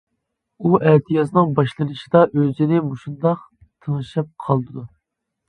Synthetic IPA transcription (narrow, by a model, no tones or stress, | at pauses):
uʔæt̪ʰijɑsnɨŋbɑʃlˠɨnɨʃid̪ɑʔøzɪnɪmuʃund̪ɑq | t̪ʰəŋɨʃɑp̚qʰɑlˠd̪ɨd̪u